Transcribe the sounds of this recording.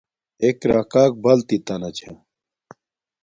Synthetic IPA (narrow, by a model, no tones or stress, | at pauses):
ekɾakaːk̚bɐlt̪it̪ɐnɐt͡ɕʰɐ